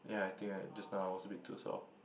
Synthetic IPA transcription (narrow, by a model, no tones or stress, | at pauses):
jaajt̪ʰɪ̃ŋad͡ʒasnaʊtwɔsəbitʰːṵsɔ̰f